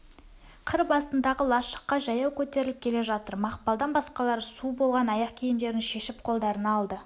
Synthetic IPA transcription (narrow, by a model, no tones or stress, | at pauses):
qʰəɾbɑsənd̪ɑʁəlˠɑʃə̥qːɑʒɑjɑwkʲʰɵt̪e̞ɾɪlɪp̚kʲʰe̞le̞ʒɑt̪əɾmɑqpɑlˠd̪ɑnbɑsqɑlˠɑɾsubo̞lˠʁɑnɑjɑqkʲʰijɪmd̪e̞ɾd̪ɪŋʃe̞ʃɪp̚qʰo̞lˠd̪ɑɾənɑlˠd̪ə